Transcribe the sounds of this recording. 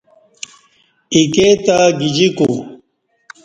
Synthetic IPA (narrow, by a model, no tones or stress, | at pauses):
iket̪aɡid͡ʑiku